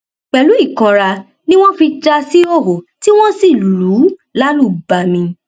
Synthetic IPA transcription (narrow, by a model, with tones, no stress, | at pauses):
k͡pɛ˧˨lu˨˦i˦˨kã˧ɾa˧ | nĩ˦w̃ɔ̃˦fi˧d͡ʒa˧si˦o˦˨ɦo˨ti˦w̃ɔ̃˦si˦˨lu˨˦la˦lu˦˨ba˨mĩ˧